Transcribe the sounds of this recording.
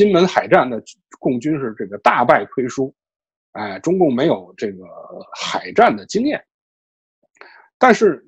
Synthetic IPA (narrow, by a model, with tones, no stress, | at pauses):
i˥nmə˧˥nxa˨˩ɪʈ͡ʂa˥˩nd̪ə˩ | kʊ˥˩ŋt͡ɕy˥nʂɻ̩˥˧ʈ͡ʂɤ˥˩ɡə˩t̪a˥˧pa˥˩ɪk̪ʰwe˥ɪʂu˥ | e˥˩ʈ͡ʂʊ˥ŋkʊ˥˩ŋme˧˥ɪjo˨˩ʊʈ͡ʂɤ˥˩ɡə˩xa˨˩ɪʈ͡ʂa˥˩nd̪ə˩t͡ɕi˥ŋjɛ˥˩n | t̪a˥˧nʂɻ̩˥˧